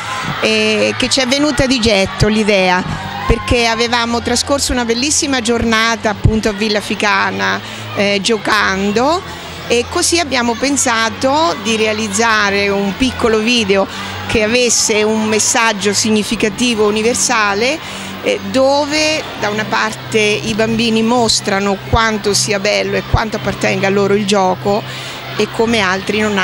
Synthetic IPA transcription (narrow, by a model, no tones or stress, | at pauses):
ɛk̟et͡ʃːɛvːenuːt̪ad̪id͡ʒɛt̪ːolid̪ɛːa | perkeavevaːmot̪ɾaskorsounabelːisːimad͡ʒornaːt̪aːpːunt̪oavːilːafikaːna | d͡ʒokand̪o | ekːosiabːjaːmopensaːt̪od̪iɾealid̪zːaːɾeumpikːoloviːd̪eo | keavesːeummːesːad͡ʒːosiɲːifikat̪iːvouniversaːle | d̪oːved̪aunapart̪eibambiːnimost̪ɾanokwant̪osiːabɛlːoekːwant̪oapːart̪ɛŋɡalːoːɾoild͡ʒɔːko | ekʰːomealt̪ɾinon